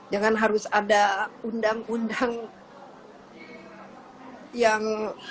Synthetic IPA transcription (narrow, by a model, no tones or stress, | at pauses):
d͡ʒaŋanɦaɾʊsadaundaŋundaŋ | jaŋ